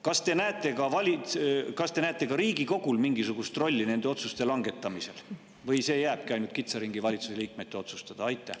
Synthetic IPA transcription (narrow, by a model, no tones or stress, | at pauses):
kɑst̪e̞næet̪ːˑe̞kɑvɑlʲikɑst̪e̞næet̪ːˑe̞kɑɾiːɡ̥iko̞ɡ̥ulmiŋɡisuɡ̥ust̪ro̞lʲːine̞nd̪̥eo̞t̪sust̪e̞lɑŋɡ̥e̞t̪ːˑɑmise̞̰l | vɤjse̞ːjæːb̥̚kiɑjnult̪kit̪sɑɾiŋɡ̥ivɑlʲit̪suseliːk̚met̪ːeo̞t̪su̥st̪ɑd̪̥ɑɑjt̪ːˑæh